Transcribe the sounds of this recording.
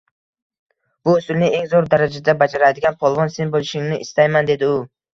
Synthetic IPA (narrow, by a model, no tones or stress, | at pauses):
b̥ʊːsʊlnɪe̞ŋzoɾd̪aɾad͡ʒad̪abad͡ʒaɾad̪ɪɡʲanpʰɒlˠvɒnse̞nbolˠɪʃɪŋnɪʔɪst̪ajmand̪e̞d̪ɪʊ